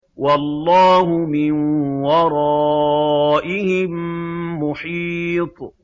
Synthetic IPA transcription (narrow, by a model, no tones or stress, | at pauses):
wɑlːɑːɦʊmɪnwɑɾˤɑ | ʔɪhɪmmʊħiːt̪ˤ